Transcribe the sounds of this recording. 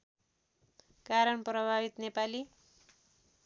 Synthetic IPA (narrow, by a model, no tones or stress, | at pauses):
kaɾʌnprʌbʱabit̪nepali